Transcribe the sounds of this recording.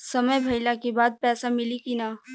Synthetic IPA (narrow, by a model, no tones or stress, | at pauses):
sɐməjbʱɐɪlakebaːd̪̚pɛːsamɪlikinaː